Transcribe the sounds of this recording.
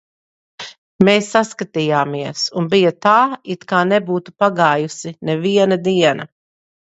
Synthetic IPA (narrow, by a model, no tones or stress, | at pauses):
meːsːaskat̪ijaːmiɛsunbijɐt̪aːit̪kaːnɛbuːt̪upaɡaːjusinɛviɛnɐd̪iɛnɐ̰